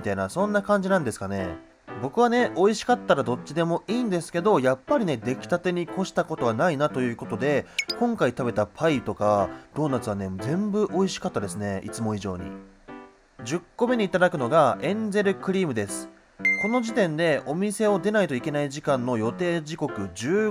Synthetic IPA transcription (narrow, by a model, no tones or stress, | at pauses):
it̪ainasõ̞nːakãɲ̟d͡ʑinãnd̪e̞sɨ̥kane̞̰ | bo̞kɯ̟β̞ane̞o̞iɕi̥kat̪ːaɾad̪o̞t͡ɕːid̪e̞mo̞ʔiːnd̪e̞sɨ̥ke̞d̪o̞japːaɾʲine̞d̪e̞kʲi̥t̪at̪e̞ɲ̟iko̞ɕi̥t̪ako̞t̪o̞βanainat̪o̞jɯ̟ːko̞t̪o̞d̪e̞kõ̞ŋkait̪abe̞t̪apʰait̪o̞kad̪̥o̞ːnat͡sɨβane̞d͡zẽ̞mbɯ̟ʔo̞iɕi̥kat̪ːad̪e̞sɨne̞ḭt͡sɨmo̞iʑo̞̰ːɲ̟ḭ | d͡ʑɨkːo̞me̞ɲ̟iːt̪ad̪akɯ̟no̞ɡaẽ̞nd͡ze̞ɾɯ̟kɯ̟ɾʲiːmɯ̟d̪e̞sɨ̥ | ko̞no̞ʑit̪ẽ̞nd̪e̞o̞mʲise̞o̞d̪e̞nait̪o̞ike̞naiʑikãnːo̞jo̞t̪e̞ːʑiko̞kɯ̟d͡ʑɨː